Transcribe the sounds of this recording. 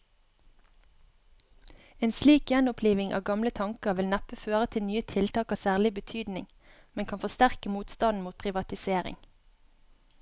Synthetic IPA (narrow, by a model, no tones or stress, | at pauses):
eːnsliːkjɛnʊpʰliːʋɪŋʔɑ̰ːʋɡɑmlət̪ʰɑŋkəʋɪlnæpəføːʁət̪ʰɪlnyːət̪ʰɪlt̪ɑːkɑːsæːʁlɪbət̪ʰyːd̪nɪŋ | mɛnkʰɑnfɔst̪æʁkəmuːt̪st̪ɑnn̩muːt̪̚pʰʁɪʋɑt̪ɪseːʁɪ̰ŋ